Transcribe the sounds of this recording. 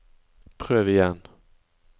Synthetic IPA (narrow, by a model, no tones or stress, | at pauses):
pʰɾøːvɪjɛn